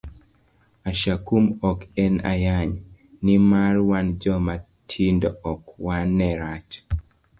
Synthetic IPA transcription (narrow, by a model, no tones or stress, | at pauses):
aʃakumɔkɛna̰jaɲ | nimarwand͡ʒɔma | tʰindɔɔkwanːɛɾat͡ʃ